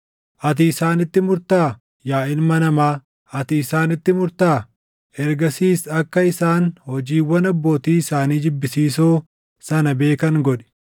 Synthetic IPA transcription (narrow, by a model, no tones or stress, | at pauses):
ʔɐt̪̬ɪːsaːnɪt̪ːɪmʊɾt̪aː | jaːʔɪnmɐnɐmaː | ɐt̪ɪːsaːnɪt̪ːɪmʊɾt̪aː | ɛɾɡɐsiːsɐkːɐɪsaːnhɔd͡ʒiːwːɐnɐbːo̞ːt̪iːɪsaːniːd͡ʒɪbːɪsiːsoː | sɐnɐbe̞ːkɐŋɡɔᶑɛ̥